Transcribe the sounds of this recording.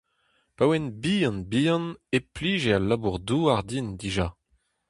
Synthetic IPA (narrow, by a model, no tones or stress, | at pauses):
pawɛnbiɑ̃nbiɑ̃nepliːʒealabuʁd̪uaʁd̪ind̪iʒa